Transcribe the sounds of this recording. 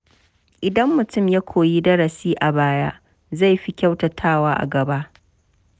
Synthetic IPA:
ʔɪ˨dɐ˦mːʊ˨tʊ˦˨mja˦kʷʰoː˨jiː˦dɐ˦ɽɐ˨siː˦ʔa˨baː˦ja˦ʔ | za˦˨jɸi˦kʲa˦wtɐ˨tʰaː˦˨waː˦ʔa̰˨ɡɐ˨ba˦ʔ

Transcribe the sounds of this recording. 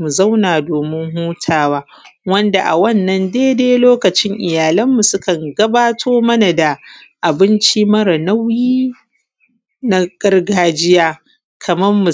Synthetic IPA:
mu˨za˦wnaː˨doː˨mɪ˦ŋɦuː˦tʰaː˨waː˦ | wɐ˦nda˨ʔa̰˨wɐ˦˨nːɐ˦ndeː˦deː˦loː˦kɐ˨t͡ʃɪ˦ŋʔɪ˨jaː˨lɐ˦mːu˨sʊ˦kɐ˨ŋɡɐ˦baː˦tʰoː˦mɐ˦na˨da˨ | ʔa˨bɪ˦nt͡ʃiː˦mɐ˦ɾɐ˨na˦wjiː˦ | na˦ɡ̥ɐ˦rɡaː˦d͡ʒɪ˦jaː˦ | kʰɐ˨mɐ˦rːu˨

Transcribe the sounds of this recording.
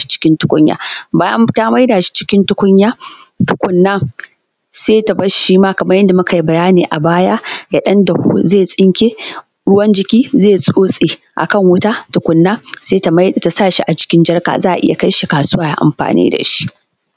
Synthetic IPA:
ʃi̥˦t͡ʃɪ̥˦kʲɪ˦ntʊ˦kʷʊ˦ɲja̰ː˨˦ba˦ta˦ma˦jda˨ʃi̥˦t͡ʃɪ̥˦kʲɪ˦ntʊ˦kʷʊ˦ɲjaː˦tʊ̥˦kʷʊ˦nːaː˦ | seː˦ta˨bɐ˦ʃiː˦maː˦kɐ˨mɐ˦rjɐ˦nda˨mʊ˦ka˨ji˦bɐ˨jaː˦neː˨ʔa˨baː˦ja˦ja˦ɗɐ˦nda˨hṵ˦zeː˦˨sʼɪ˦ŋkʲeː˦ | ɽʊ˦wɐ˦nd͡ʒɪ˦kʲiː˦zeː˦˨sʼoː˦sʼiː˨ | ʔa̰˨kɐ˦˨ŋwʊ˦ta˦tʊ˦kʷʊ˦nːaː˦seː˦ta˨ma˦jta˨saː˦˨ʃi˦ʔa˨d͡ʒɪ̥˦kʲɪ˦nd͡ʒɐ˦rka̰˨zaː˦ʔa̰˨ʔɪ̰˦ja̰˨ka˦jʃi˨kaː˨sʊ˦waː˨ja̰˦ʔa̰˨mɸa̰ː˨nḭː˦da̰˨ʃi̥˦ʔ

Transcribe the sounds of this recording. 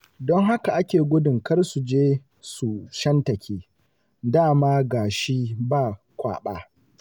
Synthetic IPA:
dɔ˦ŋɦa˦ka˨ʔa˦kʲeː˨ɡʷʊ˦dɪ˨ŋkɐ˦rsu˨d͡ʒeː˦ | su˨ʃɐ˦ntɐ˨kʲeː˦ | daː˦˨maː˦ɡaː˨ʃi˦baː˦˨ | kʷa̰ː˨ɓa̰ː˦

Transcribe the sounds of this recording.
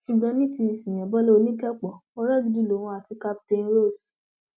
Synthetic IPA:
i˨ɡ͡bã˧mĩ˦ti˧i˨sĩ˨j̃ɛ̃˨bɔ˦lɔ˦o˧˦nĩ˦kɛ˦k͡pɔ˨o˦ɾɛ˦˨ɡi˧di˦˨lo˨w̃ɔ̃˧a˨ti˧ka˦p̚te˧n˦ɾo˦˨s

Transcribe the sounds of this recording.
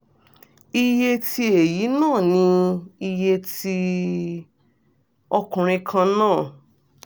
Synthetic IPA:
i˧je˧ti˧e˨ji˨˦nãː˦˨nĩ˧i˧je˧ti˧ | ɔ˧kũ˨ɾ̃ĩ˧kʰã˧nãː˦˨

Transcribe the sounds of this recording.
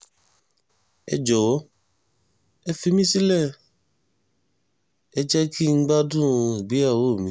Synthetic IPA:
ɛ̰˧d͡ʒɔ˨wɔ˨˦ | ɛ˧fi˧mĩ˦si˦lɛ˦˨ | ɛ˧d͡ʒɛ˦ki˦ŋ̩˦ɡ͡ba˦dũ˦˨ɡ͡bi˨˦a˦˨wo˦˨mĩ˦

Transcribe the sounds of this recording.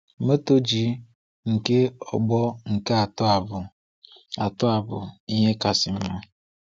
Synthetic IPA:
me˦to˦d͡ʒi˨˦ | ŋ̩˨ke˦ɔ̰˨ɡ͡bɔ˦ŋ̩˨ke˦a˨tb | a˨tʊ˦a˨bʊ̰˨i˦ɦe˦ka˨sɪ˨m̩˦ma˦

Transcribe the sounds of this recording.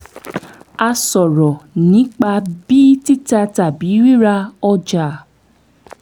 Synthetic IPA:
a˧sɔ˨ɾɔ˨nĩ˨˦k͡pa˧bi˦ti˦ta˧ta˨bi˨˦ɾi˦ɾa˧ɔ˧d͡ʒa˨

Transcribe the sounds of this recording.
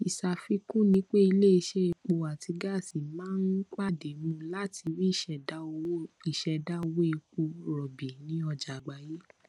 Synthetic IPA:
i˨sa˨fi˧kũ˦˨nĩ˨˦k͡pe˦i˧le˦i˧ʃe˦e˧k͡po˧a˨ti˧ɡa˦˨si˨mãː˨˦n˦k͡pa˦˨de˨mũ˧˦la˦ti˧ɾi˦i˦˨ʃɛ˨da˦o˧wo˦i˦˨ʃɛ˨˧da˦o˧wo˦e˧k͡po˧ɾɔ˨bi˨nĩ˨˦ɔ˧d͡ʒa˨ɡ͡ba˨je˦

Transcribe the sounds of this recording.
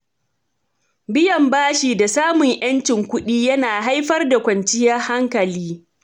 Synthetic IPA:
bɪ˦jɐ˨mbaː˦ʃiː˨da˨saː˦mʊ˨ŋjɐ˦nt͡ʃɪ˨ŋkʷʊ˦ɗiː˦jɐ˦naː˨ɦa˦jɸɐ˦rda˨kʷɐ˨nt͡ʃɪ˦jɐ˦rha˦ŋkɐ˨liː˦

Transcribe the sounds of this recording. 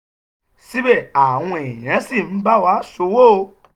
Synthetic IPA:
si˦be˦˨a˨w̃ɔ̃˧e˨j̃ã˨˦si˦˨n̩˨˦ba˦wa˦so˧wo˦˨˧

